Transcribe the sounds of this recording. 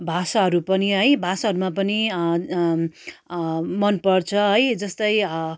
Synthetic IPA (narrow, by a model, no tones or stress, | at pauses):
bʱasaɦʌɾupʌniɦʌjbʱasaɦʌɾumapʌni | mʌnpʌrt͡sʰʌɦʌjd͡zʌst̪ʌjʌ